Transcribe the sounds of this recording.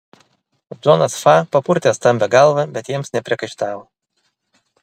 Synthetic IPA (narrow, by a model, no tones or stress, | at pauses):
zɔnɐsfɑpɐpʊɾʲt̪ʲest̪ɐmʲbʲɛɡɑlˠʋɐbʲɛt̪jiɛmsnʲɛpʲɾʲiɛkɐɪʃt̪ɑːʋoː